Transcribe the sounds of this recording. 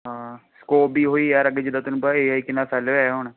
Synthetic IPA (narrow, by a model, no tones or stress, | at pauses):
ɦãːskoːpbiːɦoːiːɛːɾəɡeːd͡ʒɪd̪aːt̪ənũːpaeːaːiːkɪnːaːsɛːlʋeːɦoɳ